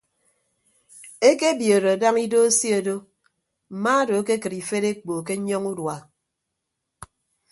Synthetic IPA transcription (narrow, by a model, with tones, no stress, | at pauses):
e˦ke˦bjo˨ɾo˨a˨da˦ŋi˦do˦e˦si˦o˨do˦ | m̩˨ma˦do˨a˦ke˦kɨ˨ɾi˨fe˦ɾe˦k͡po˨k̬e˦ɲɔ˦ŋu˦dwa˨